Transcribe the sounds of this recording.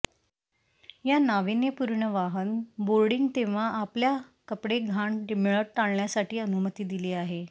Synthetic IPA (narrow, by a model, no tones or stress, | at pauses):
janaʋinjəpuɾɳəʋaɦənboɾɽiŋɡt̪eʋ̤aʔapljakəpɽeɡʱaɳɖimiɭəʈ̚ʈaɳɳjasaʈiːənumət̪iːd̪ileːaɦe